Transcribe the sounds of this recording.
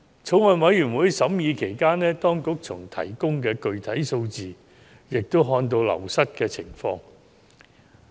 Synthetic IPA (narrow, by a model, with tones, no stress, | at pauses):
t͡sʰo˨˥wɐ˨˧nwɐ˨˥jɥyː˨˩nwuː˨˥jsɐ˨˥mjiː˨˧kʰe˨˩jkaː˥nɛː˥t̪ɔː˥ŋkʊ˨˥k̚t͡sʰʊ˨˩ŋt̪ʰɐ̰˨˩jkʊ˥ŋkɛː˧kɵ˨˧ɥt̪ʰɐ˨˥jso˧wt͡siː˨ | jɪ˨k̚t̪o˥wɦɔː˧nt̪o˧wlɐ̰˨˩wsɐ˥t̚kɛː˧t͡sʰɪ˨˩ŋfɔː˧ŋ